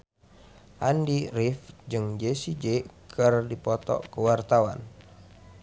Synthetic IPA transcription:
ʔandirifd͡ʒɨŋd͡ʒesid͡ʒekʰərdipɔt̪ɔ̰kəwart̪awan

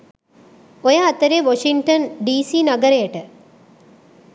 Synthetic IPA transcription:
ojaɐt̪ɐɾeʋoʂiŋʈɐnɖiːsinɐɡɐɾɐjɐʈə

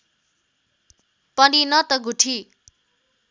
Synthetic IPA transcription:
pʌninʌt̪ʌɡuʈʰi

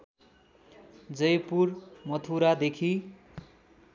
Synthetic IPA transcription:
d͡zʌjpurmʌt̪ʰuɾad̪ekʰi

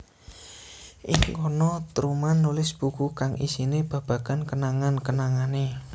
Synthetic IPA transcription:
ʔɪŋkonɔt̪ɾumanːulɪsb̥ṳkukaŋʔḭsineb̥ä̤b̥ä̤ɡ̥a̤nkənaŋankənaŋane

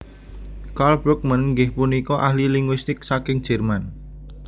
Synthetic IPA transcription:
kalbɾʊk̚mənŋɡɪhpunikɔʔahliliŋɡwist̪ɪk̚sakɪŋ̥ʒ̥ɛrman

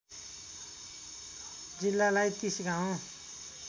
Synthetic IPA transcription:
d͡zilːalajt̪isɡaõ

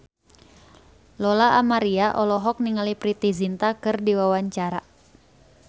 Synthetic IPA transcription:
lɔlaʔamaɾiaʔɔlɔɦɔk̚niŋalipɾit̪izint̪akɨrdiwawaɲt͡ʃaɾa

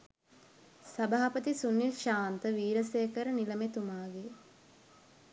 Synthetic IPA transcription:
sɐbaːapət̪isunːilʃaːnt̪əʋiːɾəsejkəɾəniləmet̪umaːɡe

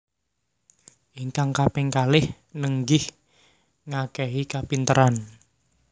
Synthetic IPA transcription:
ʔiŋkaŋkapɛŋkalɪh | nəŋɡɪh | ŋakɛɦikapint̪əɾan

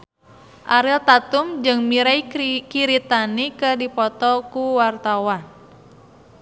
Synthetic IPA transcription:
ʔaɾilt̪at̪umd͡ʒɨŋmiɾajkiɾit̪anikədipɔt̪ɔkuwart̪awan

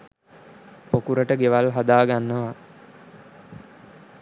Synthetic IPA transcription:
pokuɾəʈəɡeʋalɦad̪aːɡanːəʋa

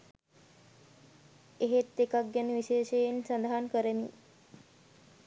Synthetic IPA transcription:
eɦet̪ːekak̚ɡaniʋiʃeːʃejensand̪aɦankəɾəni

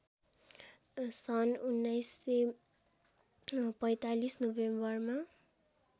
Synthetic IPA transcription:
sʌnunːʌjsːe | pʌjt̪alisnobembʌrma

